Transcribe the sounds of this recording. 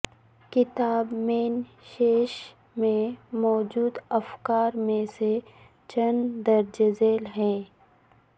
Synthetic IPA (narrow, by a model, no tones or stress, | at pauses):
kɪt̪aːbmeːn | ʃeːʃ | mẽmɔːd͡ʒuːd̪ɐfkaːɾmẽse | t͡ʃɐnd̪ɐɾd͡ʒɐzeːlɦɛː